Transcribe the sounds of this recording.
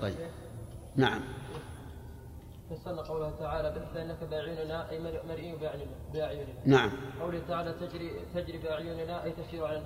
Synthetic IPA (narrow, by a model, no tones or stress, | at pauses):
t̪ˤɑ̰j | naʕa̰mː | fasalnaqɑwlʊhat̪aʕaːlabɪħθaʔɪnːakabaːʕinnaʔajmmaɾʔiːnbʕ | bʔaʕjuːnɪnanaʕamqɑwlɪht̪aʕaːlat̪ad͡ʒɾit̪ad͡ʒɾibɪʔaʕjuːnɪnaʔajt̪aʃiːɾʕala